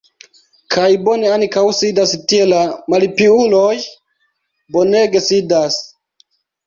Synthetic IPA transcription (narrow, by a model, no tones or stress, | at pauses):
kʰajbo̞ne̞ankawsidastie̞lamalipiulo̞j | bo̞ne̞ɡe̞sidas